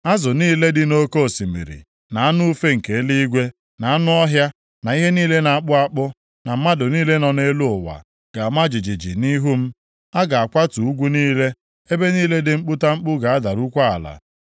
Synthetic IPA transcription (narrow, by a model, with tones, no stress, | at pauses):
a˦zʊ˨niː˦le˦dɪ˦no˦ko˦˨si˨mḭ˨ɾḭ˨ | na˨a˦nʊ˦u˦fe˦ŋ̩˨ke˨˦li˦i˦ɡʷe˦ | na˨a˦nʊ˦ɔ˦ɦja˦ | na˨i˦ɦe˦niː˦le˦na˨a˦k͡pʊ˦a˦k͡pʊ˦ | na˨m̩˦ma˦dʊ˨niː˦le˦nɔ˨ne˦lu˦ʊ˨wa̰˨ | ɡ̥a˨ma˦d͡ʒi˨d͡ʒi˨d͡ʒḭ˨ni˦ɦu˦m̩˦ | a˦ɡa˨a˨kʷa˦tu˨u˦ɡʷu˦niː˦le˦ | e˦be˦niː˦le˦dɪ˨ŋ͡m̩˦k͡pʊ˦ta˦ŋ͡m̩˦k͡pʊ˦ɡa˨a˦da˨ɾu˦kʷa˦a˨la̰˨